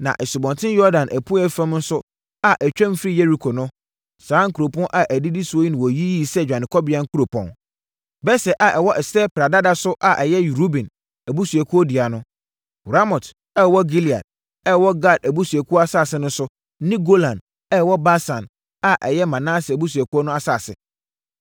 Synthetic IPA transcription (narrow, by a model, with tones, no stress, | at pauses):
nã̰˨ʔɛ˨su˨bɔ̃˨ntʰɪ̃˦njɔ˦dã˨nʔæ˨pʰũ˦ɛ˦fã˦mn̩˦sʊ˦ | a˨ʔɛ˨t͡ɕᶣɛ̃˦m˦fɾi˦jɛ˦ɾi˨kʰo˨nʊ̃˦ | sãː˨˦ŋ̩˦kʰu˨ɾo˨pʰɔ̃˦ʔa˨ʔæ˨di˦di˦su˨o˦i˦nɪ̃˨wɔ˨ji˦ji˦˨sɛ˦˨d͡ʑᶣã˨nɪ̃˨kʰɔ˦bɪ˨˦ã˦ŋ̩˦kʰu˦ɾo˨pʰɔ̰̃˨n | bɛ˦sɛ˨ʔa˨ʔɛ˨wɔ˦ʔɛ˨sɛ˦pɾa˨da˦da˨sʊ˦ʔa˨ʔɛ˨jɛ˦˨ɾu˦bĩ˨n | æ˨bu˦su˨ɛ˨kʰu˦ɔ˦di˨a˨nʊ̃˦˨ | ɾa˦mɔ˨t | ɛ˦˨wɔ˦ɡi˦li˨a̰˨d̚ | ɛ˦˨wɔ˦ɡa˦˨dæ˨bu˦su˨æ˨kʰu˦ɔ˦a˦saː˦˨sɪ˦nʊ̃˦sʊ˦ | nɪ̃˦ɡo˦lã˨n | ɛ˦˨wɔ˦ba˦sã˨n | a˨ʔɛ̰˨jɛ˦mã˨nãː˦sɪ˨æ˨bu˦s̬u˨æ˨ku˦ɔ˦nʊ̃˦a˦saː˨sɪ̰˨